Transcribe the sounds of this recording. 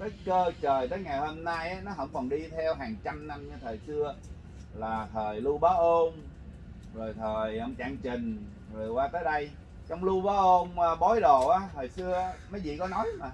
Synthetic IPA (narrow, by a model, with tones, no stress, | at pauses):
zə˦˥t̚kəː˧t͡ɕəː˨˩jt̪əː˨˦jŋa˨˩jho˧mna˧jʔaː˨˦nɔ˨˦ɦə̰˧˥wŋ͡mkɔ˨˩nɗi˧t̪ʰɛ˧wɦaː˨˩ŋt͡ɕa˧mna˧mt͡ɕɔ˧t̪ʰəː˨˩jsɨ˧ə | laː˨˩t̪ʰəː˨˩jlu˧ɓaː˨˦ʔo˧n | zo˨˩jt̪ʰəː˨˩jʔə˧wŋ͡mt͡ɕa̰ː˧˥ŋt͡ɕï˨˩ŋ̟ | zo˨˩jkwaː˧t̪əː˨˦jɗə˧j | t͡ɕɔ˧wŋ͡mlu˧ɓaː˨˦ʔo˧nəː˧ɓɔ˨˦jɗo˨˩ʔaː˨˦t̪ʰəː˨˩jsɨ˧əmə˨˦jzḭ˧˨kɔ˨˦nɔ˨˦jma˨˩